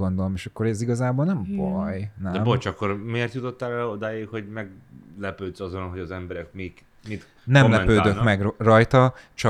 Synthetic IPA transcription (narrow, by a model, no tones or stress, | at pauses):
o̞nd̪o̞lomeːʃɒkːo̞ɾɛziɡɒzaːboːlnɛɱvɒjnɛɛmbot͡ʃɒkːo̞ɾmeːrt̪jut̪o̞t̪ːaːlɛod̪aːjekho̞ɟmɛɡlɛpøːt̪sɒzo̞nɦo̞ɟɒzɛmbɛɾɛk̚mik | mit̪ | nɛmmlɛpøːd̪ømɛɡrrɒjt̪ɒt͡ʃɒ